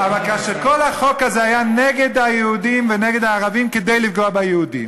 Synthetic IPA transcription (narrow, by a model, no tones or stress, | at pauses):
avalkaʃeʁko̞lhaχo̞kazeajaneɡed̪ajehud̪imveneɡed̪aːʁavimked̪ejlifɡoabajeud̪ḭm